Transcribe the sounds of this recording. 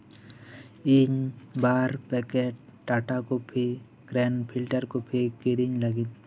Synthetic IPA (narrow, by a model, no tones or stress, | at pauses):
iɲbaːɾpɛkeːʈ̚ʈaːʈakopʰi | ɡɾɛːnpʰɪlʈəɾkopʰikiɾiɲləɡit̪